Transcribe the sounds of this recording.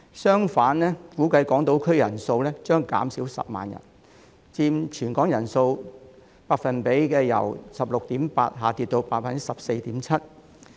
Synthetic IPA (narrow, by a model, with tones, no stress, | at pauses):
sœː˥ŋfaː˨˥nlɛː˥fuː˨˥kɐ˧jkɔː˨˥ŋt̪o˧˥wkʰɵ˥ɥjɐ˨˩nso˧wlɛː˥t͡ʃœː˥ŋka̰ː˨˥msiː˨˥wsɐ̰˨p̚ma̰ː˨njɐ̰˨˩n | t͡siː˧mt͡ʃʰyː˨˩nkɔː˨˥ŋjɐ˨˩nso˧w | paː˧k̚fɐ˨npe˨˥jkɛː˧jɐ̰˨˩wsɐ˨p̚lʊ˨k̚t̪iː˨˥mpaː˧t̚ɦaː˨˩t̪iː˧t̪̚o˧wpaː˧t̚fɐ˨n˥sɐ˨p̚se˧jt̪iː˨˥mt͡sʰɐ˥t̚